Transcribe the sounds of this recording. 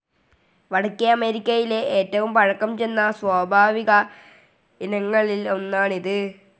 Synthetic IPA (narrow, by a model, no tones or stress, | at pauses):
ʋɐɽɐkːiɐɐmeːɾikʲːɐjile̞ʔeːtːɐʋumpɐɻɐkːɐmt͡ɕe̞nːɐswaːbʱaːʋiɣɐ | inɐŋːɐɭilo̞nːaːɳiðɨ